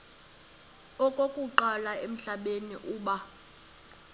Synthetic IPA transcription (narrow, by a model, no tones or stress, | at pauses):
ɔkʼokʼuǃalaem̩ɬaɓenḭʔuːɓa